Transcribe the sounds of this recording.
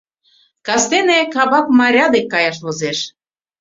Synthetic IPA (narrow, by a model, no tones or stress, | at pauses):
kɑst̪enekɑβɑkmɑɾʲɑd̪ekːɑjɑʃ̬βozeʃ